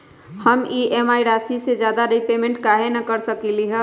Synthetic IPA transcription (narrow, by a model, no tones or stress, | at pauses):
həmiʔemaːiɾaːsised͡ʒjaːd̪aɾəipeːmẽɳʈkaɦenakəɾsəkiliɦɛ